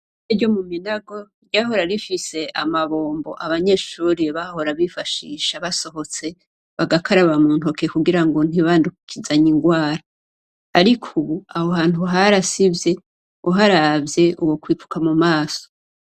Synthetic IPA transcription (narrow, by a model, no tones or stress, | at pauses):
eɟo̞muminaɡo̞ | jaɦo̞ɾaɾifise̞ʔamaβo̞ːmbo̞̰ʔaβaɲe̞ːʃuːɾiβaho̞ɾaβifaʃiːʃaβaso̞ɦo̞t͡se̞ | βaɡakʰaɾaβamuːn̥tokekuɡiɾaŋɡo̞n̥iβandukukʰizaɲiŋɡwaːɾaː | ɾikʰuβuahoɦaːn̥uɦaɾasivje̞ | uɦaɾavje̞ʔuwo̞kwiːfu̥kamumaːso̥